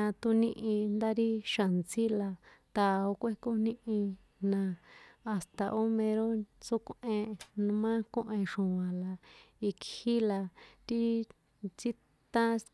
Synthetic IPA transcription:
ã˧t̪u˧nĩ˦ʔĩ˧nd̪a˦ɾi˦ʃa˨nt͡si˦la˧t̪a˧o˧kʷe˦ko˦nĩ˦ʔĩ˧ | nã˧a˨st̪a˧ʔo˦mẽ˧ɾo˦t͡su˦kʷʔẽ˧ñ˧mã˦kõ˦˧ʔẽ˧ʂũ˨ã˨la˨i˧khi˦la˧t̪i˦ | t͡si˦ | t̪ã˦

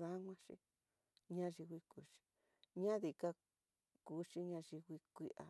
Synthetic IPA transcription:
ða˦ŋʷã˦ʃḭ˧ | ɲã˦ʐi˧wi˧ku˧ʃi̥˧ | ɲã˦ði˧ka˦ | ku˧˦ʃi˦ɲã˧ʒi˧wi˧kʷi˧ʔa̰˧

